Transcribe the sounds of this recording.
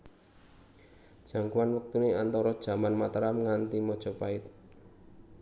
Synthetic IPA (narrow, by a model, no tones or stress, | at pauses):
d̥ʒ̥a̤ŋkuwanwək̚t̪uneant̪ɔɾɔd̥ʒ̥a̤manmat̪ɾamŋant̪imɔd̥ʒ̥ɔ̤paɪt̪̚